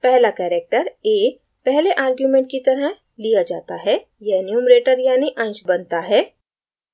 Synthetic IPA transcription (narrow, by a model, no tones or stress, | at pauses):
pɛɦlakɛːɾeːk̚ʈəɾeː | pɛɦleʔaːɾɡjuːmẽːɳʈ̚kit̪ɐɾə | lijad͡ʒa̰ːt̪aɦɛ | jɛnjuːmɾeːʈəɾjaːniʔɐ̃nt͡ʃbɐnt̪aɦɛː